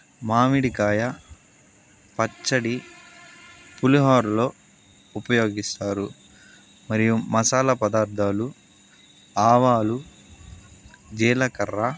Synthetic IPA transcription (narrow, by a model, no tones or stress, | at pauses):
maːmiɽikaːjɐ | pɐt͡ʃːɐɽi | puluɦaːɾulo̞ː | upɐjo̞ːɡist̪aːɾu | mɐɾijumɐsaːlɐpɐd̪aːɾd̪ʱaːlu | aːʋaːlu | d͡ʒɛːlɐkɐɾːa